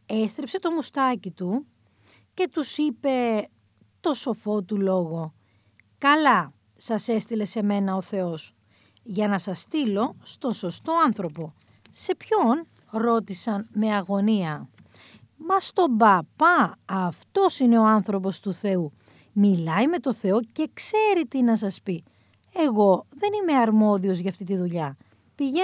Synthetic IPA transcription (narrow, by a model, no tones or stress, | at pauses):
e̞st̪ɾipse̞t̪o̞must̪ɐcit̪u | ce̞t̪usipe̞ | t̪o̞so̞fo̞t̪ulo̞ɣo̞ | kɐlɐ | sɐse̞st̪ile̞se̞me̞nɐoθe̞o̞s | ʝɐnɐsɐst̪ilo̞st̪o̞nso̞st̪o̞ɐnθɾo̞po̞ | se̞pço̞n | ɾo̞t̪isɐnme̞ɐɣo̞niɐ | mɐst̪o̞bɐpɐɐft̪o̞sine̞o̞ɐnθɾo̞po̞st̪uθe̞u | milɐjme̞t̪o̞θe̞o̞ce̞kse̞ɾit̪inɐs̬ɐspi | e̞ɣo̞ðe̞nimeɐɾmo̞ðio̞zʝɐft̪it̪̬iðuʎɐ | piʝe